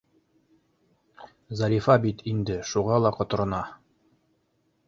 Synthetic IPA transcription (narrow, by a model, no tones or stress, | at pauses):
zɑɾʲifɑbit̪ʰind̪ɘʃuʁɑlˠɑqɒ̆t̪ɤ̆ɾɤ̆nɑ